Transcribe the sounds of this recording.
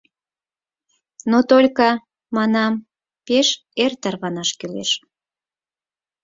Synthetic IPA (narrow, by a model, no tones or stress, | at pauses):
not̪olʲkɑ | mɑnɑm | peʃ | ert̪ərβɑnɑʃkylḛʃ